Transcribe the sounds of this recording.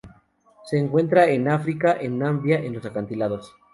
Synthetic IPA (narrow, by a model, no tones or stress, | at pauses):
se̞ːŋkwe̞nt̪ɾaenafɾikaʔenːambjaʔe̞nlo̞sakant̪ilaðos